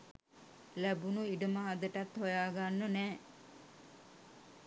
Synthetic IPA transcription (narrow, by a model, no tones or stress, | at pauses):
læbunuiɖəməɦad̪əʈat̪hojaːɡanːənɛː